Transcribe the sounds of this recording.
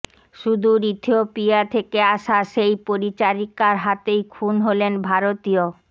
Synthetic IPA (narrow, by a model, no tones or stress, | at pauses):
ʃud̪ʱuɾit̪ʰiopijat̪ʰekeaʃaʃejpoɾit͡ɕaɾikaɾɦat̪ejkʰunɦolenbʱaɾot̪io